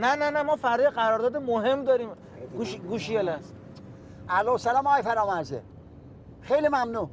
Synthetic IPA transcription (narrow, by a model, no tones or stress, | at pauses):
nænænæmɒːfæɾd̪jɣæɾɒːɾd̪ɒːd̪emoɦemd̪ɒːɾiːm | ɡuʃɡuʃielæs | ælosælɒːmɒːjfæɾɒːmæzḛ | xejlimæmnu